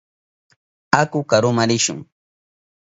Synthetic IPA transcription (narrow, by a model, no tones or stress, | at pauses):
akʊkaɾʊmaɾɪʃʊ̰ŋ